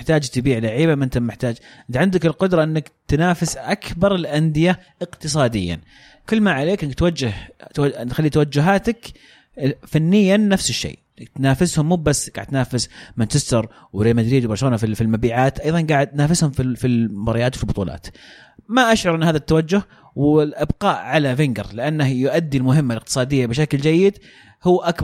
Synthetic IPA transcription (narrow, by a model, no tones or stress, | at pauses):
ɪħt̪aːd͡ʒt̪ɪbiːʕlaʕiːbamʔɪnt̪amɪħt̪aːd͡ʒʔɪt̪ʕɪnd̪akɪlqʊd̪ɾˤɑʔɪnːakt̪naːfɪsʔakbɑɾˤɪlʔand̪ɪjaʔɪqt̪ɨsˤɑːd̪ɪ̰jːa̰n | kɪlːmaʕaleːkʔɪnːɡ̚t̪wad͡ʒːɪht̪wat̪xalːit̪awad͡ʒːʊɦaːt̪ak | fanːɪjːanːafsɪʃːḛː | ɪt̪naːfɪshʊmːuːbasːɡa̰ʕɪd̪t̪naːfɪsmant͡ʃɪst̪ɑɾˤ | wɾeːmad̪ɾiːd̪wbɑɾˤʃɾoːnafifilmabiːʕaːt̪ʔɑjðˤɑnɡaːʕɪd̪̚t̪naːfɪshʊmfifilbɑɾˤjaːt̪wfilbʊt̪ˤuːlʔɑ̰ːt̪ | maʔaʃʕʊɾˤʔɪnːhaːðat̪ːawad͡ʒːʊh | wɪʔɪbqɑːʔʕalavɪŋɡɑ̰ɾlɪʔanːahjʊʔad̪ːilmʊɦɪmːalɪq̚t̪ɨ̥sˤɑːd̪ɪjːabɪʃ̬akld͡ʒajːɪd̪ | hʊːʔak